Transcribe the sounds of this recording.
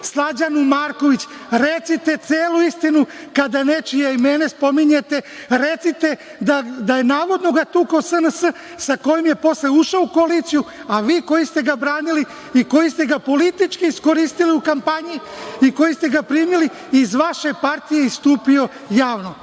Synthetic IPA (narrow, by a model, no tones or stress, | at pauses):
slad͡ʑanumaːɾko̞ʋit͡ɕ | ɾet̪sit̪e̞t̪seːluist̪inukad̪ane̞t͡ʃijaimenespo̞miɲet̪e̞ɾe̞t̪sit̪e̞ | d̪ad̪aje̞naːʋo̞d̪no̞ɡat̪uːkaosənəsə | sako̞jomje̞po̞sleuʃoukoaliːt̪sijuaʋiːko̞jist̪e̞ɡabɾaːnili | iko̞jist̪e̞ɡapo̞lit̪it͡ʃkiisko̞ɾiːst̪iliukampaɲiiko̞jist̪e̞ɡapɾiːmili | izʋaʃe̞paɾt̪ije̞ist̪uːpio̞ | jaːʋno̞